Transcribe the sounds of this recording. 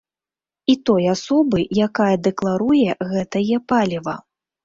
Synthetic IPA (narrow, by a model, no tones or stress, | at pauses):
it̪ɔjasɔbɨjakajɐd̪ɛklˠaɾujɛɣɛt̪ɐjɛpalʲivɐ